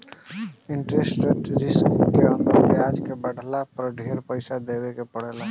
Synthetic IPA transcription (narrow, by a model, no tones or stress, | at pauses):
ɪ̃ɳʈɾesʈɾeʈɾɪskkeə̃nd̪əɾkeaːd͡ʒkebəɽ̤ʱlapɾɖʱeːɾpəɪsad̪eːwekepəɽ̤eːla